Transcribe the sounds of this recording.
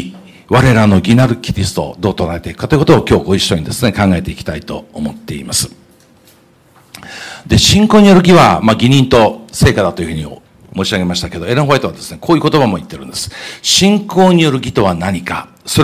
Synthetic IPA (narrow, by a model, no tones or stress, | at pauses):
βaɾe̞ɾano̞ɡʲinaɾɯ̟kʲiɾʲisɨ̥t̪o̞̰d̪o̞ːt̪onaɾe̞t̪e̞ikɯ̟kːat̪o̞iɯkot̪oːkʲo̞ːɡo̞iɕːo̞ɲ̟id̪e̞sɨne̞kãŋɡae̞t̪e̞ikʲi̥t̪ait̪o̞̰ːmo̞t̪ːe̞ḭmasɨ̥ | d̪e̞ɕĩŋko̞ːɲ̟ijo̞ɾɯ̟ɡʲiβamaɡʲiɲ̟ĩnt̪o̞se̞ːkad̪at̪ojɯ̟hɯ̟ɲ̟io̰ | moːɕiaɡe̞maɕi̥t̪ake̞d̪o̞e̞ɾɯ̃ɦoet̪o̞βad̪e̞sɨne̞kʰoːjɯ̟ko̞t̪o̞bamo̞it̪ːe̞ɾɯ̟̃nd̪̥e̞sɨ̥ɕĩŋko̞ːɲ̟ijo̞ɾɯ̟ɡʲit̪o̞βanaɲ̟ika | so̞ɾ